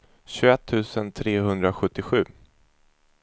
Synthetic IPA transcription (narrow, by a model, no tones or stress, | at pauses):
ɕɵɛt̪ʰːʉ̟ːsənt̪ʰɾeːhɵnd̪ɾaɧɵt̪ːɪɧʉ̟ː